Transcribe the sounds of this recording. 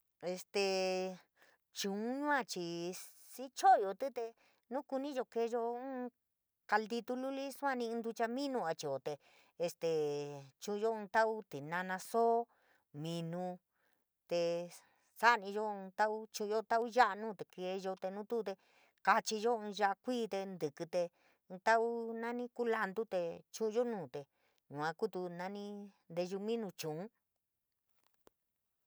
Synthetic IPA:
e˧st̪e˧ | t͡ʃũ˨˧˨ɲũ˦ã˦˧t͡ʃi˨ | si˦t͡ʃo˦˨jo˨t̪ɨ˦t̪e˧ | nũ˦ku˧nĩ˦ʒo˧ke˧˦˧ʒõ˧˦ | ka˧ld̪i˧t̪u˧lu˦li˦su˦ã˦˧nĩ˧nd̪u˧t͡ʃa˧mĩ˦nũ˧a˧t͡ʃi˧˨o˨t̪e˨ | e˧st̪e˨t͡ʃũ˧ʒo˦ũ˧t̪a˦u˦t̪i˨nã˧nã˧so˦ | mĩ˧nũ˧ | t̪e˧ | sa˦ʔnĩ˧ʒõ˦˧t̪a˦ʔu˦t͡ʃũ˧o˦˧t̪a˦ʔu˦ʒa˦ʔa˧nũː˦˨t̪e˨ke˧ʒo˧t̪e˧nũ˦t̪u˦˧t̪e˧ | ka˧t͡ʃi˧ʒo˦ɨ̃˧ʒa˦ʔa˧kʷiː˦˨t̪e˧nd̪ɨ˨kɨ˧t̪ẽ˧ | t̪a˦ʔu˦nã˦nĩ˦ku˦la˧nd̪u˦t̪e˧t͡ʃũ˦ũ˧ʒo˦nũː˦˨t̪e˨ | nũ˨ã˧ku˦t̪u˧nã˧nĩ˦nd̪e˧ʒu˧mĩ˦nũ˧t͡ʃũ˨ʔũ˦

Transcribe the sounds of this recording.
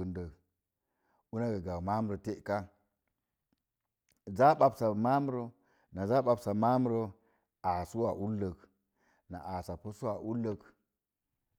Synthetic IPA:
ə˨ndə˨ | u˦na˦ɡa˨ɡa˨wma˦mu˦ɾo˨te˦ʔka˦ | za˦ɓa˨bsa˨ma˦m˦ɾo˦ | na˨za˦ɓa˨bsa˨ma˦m˦ɾo˦ | a˨su˦wa˨ʔu˦lːə˨k | na̰˨ʔa˨sa˨po˦su˦wa˨ʔu˦lːə˨k

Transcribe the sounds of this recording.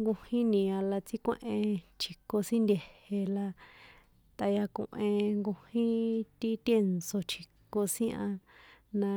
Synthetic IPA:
ŋɡũ˧hĩ˦nĩ˨a˧la˧t͡si˦kʷḛ̃˦ʔẽ˧t͡ʃʰi˨ko˧sĩ˦nd̪ʲe˨he˧la˧ | t̪a˧ja˧kṵ̃˨ʔẽ˧ŋɡu˧hĩ˦t̪i˦t̪je˦nso˧t͡ʃʰi˨ko˧sĩ˦ʔã˧nã˧

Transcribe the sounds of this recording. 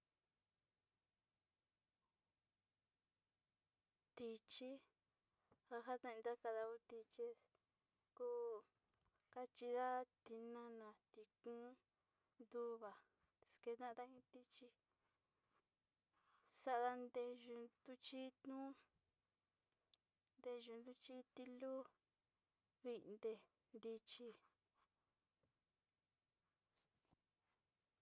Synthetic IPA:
t̪i˧t͡ʃi˦ | ha˧ɦa˦t̪ã˦˧d̪a˦ka˧ða˧ku˧t̪i˧t͡ʃe˦s | ku˦ | ka˦t͡ʃi˧ða˦t̪i˧nã˧nã˨t̪i˨kũ˦ | nd̪u˦βa˨ | t̪e̥˨ske˧nã˦˧t̪a˦ĩ˧t̪i˦t͡ʃi˧ | sa˦ʔða˧nd̪e˧ʒu˧d̪u˧t͡ʃi˦t̪nũ˦ | nd̪e˧ʒu˧nd̪u˦t͡ʃi˦t̪i˧lu˦ | βi˧nd̪e˧ | nd̪i˧t͡ʃi˧

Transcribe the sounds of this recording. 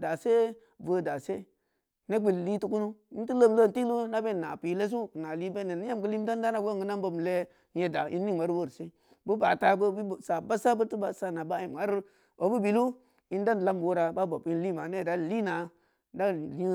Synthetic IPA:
da˨se˦ | və˨˦da˨se˦ | ne˦ɡ͡bi˨li˦tu˦ku˦nu˦i˦n˦ti˦lə˦˨m˨lo˦˨n˦ti˦lu˦na˦be˦˨na̰˨pi˨le˦s̬u˦˨na˨li˦be˦ne˨n˦ja˦m˨kə˦li˦m˦ta˦n˦da˦na˨ɡo˦˨ɡə˨˦na˦mbo˦m˨le˦ | je˦da˨ʔḭ˦nː˦i˦ŋ˨a˨ɾwo˦ɾse˦ | bu˦ba˨ta˨bə˦bi˦˨sa˨ba˦sa˦bə˦ti˦ba˨sa˦na˨ba˦ji˨m˨ɡa˨ɾ | o˨bu˦bi˨lu˦ | i˦n˦da˦n˨la˦m˨wo˦ɾa˨ba˦bo˨pi˦n˦li˦˨ma˨ne˦˨da˨li˦na˨ | da˦˨li˦

